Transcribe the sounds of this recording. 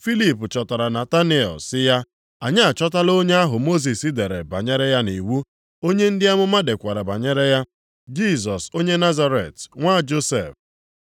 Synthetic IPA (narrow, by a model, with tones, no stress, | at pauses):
fi˦li˨pʊ˨t͡ʃɔ˨ta˨ɾa˨na˨ta˦ni˦ɔ̰˨sɪ˦ja˦ | a˨ɲɪ˦a˨t͡ʃɔ˦t̬a˦lo˦ɲe˦a˦ɦʊ˨mo˦z̬i˨sɪ˦de˨ɾe˨ba̰˨ɲe˦ɾe˦ja˦ni˨wu˦ | o˦ɲe˦n̩˦dɪ˦a˦mʊ˦ma˦de˨kʷa˨ɾa˨ba˨ɲe˦ɾe˦ja˦ | d͡ʒi˦˨zɔ˨so˦ɲe˦na˦za˦ɾe˨tŋʷa˦˨d͡ʒo˦sḛ˨f